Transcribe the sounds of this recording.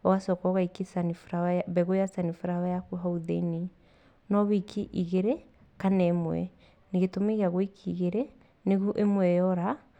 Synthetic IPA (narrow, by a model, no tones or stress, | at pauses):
ɔɣasɔkɔɣaikesanifɾaaβɛɣojasanifuɾawajakuɦauðeine | nɔβikʰiʔiɣeɾɛ | kanɛmwɛ̰ | neɣetomeɣeaɣoikʰiɣeɾɛ | neɣuʔemwɛjɔɾa